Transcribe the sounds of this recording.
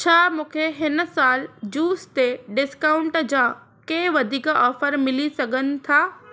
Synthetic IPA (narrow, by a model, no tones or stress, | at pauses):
t͡ɕʰaːmũːkʰeɦɪnsaːld͡ʑuːst̪eɖɪskaʊ̃ɳʈd͡ʑa | keːʋɐd̪ʱiːkɔːfəɾmɪlisɐɡʱənɪ̆t̪ʰaː